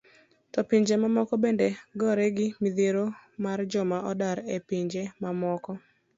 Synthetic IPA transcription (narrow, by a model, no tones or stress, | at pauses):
tɔpiɲd͡ʒemamɔkɔbendeɡɔɾɛɡɪmiðeɾomard͡ʒʊmaʔɔdaɾepiɲd͡ʒemamɔkɔ